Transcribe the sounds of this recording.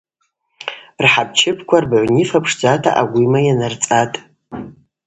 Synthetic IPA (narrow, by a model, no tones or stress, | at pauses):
rħab̚t͡ʃʰɪpʰkʷʰarbʕʷnifapʰʂd͡zatʰa̰ʔaɡʷʊmajanart͡sʼatʼ